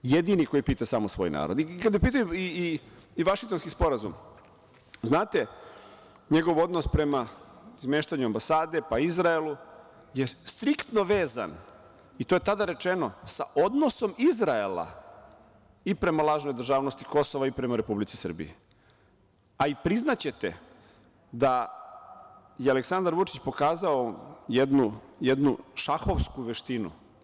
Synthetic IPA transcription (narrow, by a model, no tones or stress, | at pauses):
je̞d̪iniko̞jipiːt̪asaːmosʋo̞̰jna̰ːɾod̪ikad̪jepiːt̪̬ajui | iʋaʃiŋkt̪o̞nskispo̞ɾazum | znaːt̪e̞ | ɲe̞ɡo̞ʋo̞d̪no̞spɾe̞mazmeːʃt̪aɲuambasaːd̪e̞paizɾaelˠu | je̞st̪ɾikt̪no̞ʋe̞ːza̰n | it̪oje̞t̪ad̪aɾe̞t͡ʃe̞no̞sa̰ʔod̪no̞so̞mizɾaela̰ | ipɾe̞malˠaːʒno̞jd̪r̩ʒaːʋnost̪iko̞soʋaipɾe̞maɾe̞publit̪si̥sər̩bḭi | aipɾiznat͡ɕe̞t̪ḛ | d̪a | jealeksand̪aɾʋut͡ʂit͡ɕpo̞kaːzaojed̪nujed̪nuʃaxo̞ʋskuʋeʃt̪inṵ